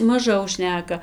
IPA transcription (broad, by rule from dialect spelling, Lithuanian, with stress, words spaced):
mɐˈʒɐʊ ˈʃʲnʲæːkɐ